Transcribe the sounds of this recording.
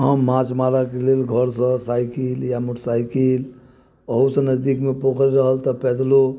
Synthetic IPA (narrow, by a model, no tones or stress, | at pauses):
ɦəmːãt͡ʃmaɾakelelɡʱəɾsə̃sajkiljamuʈsajkil | əɦusə̃nəzd̪ikmepokəɾɾəɦəlt̪əpɛd̪lo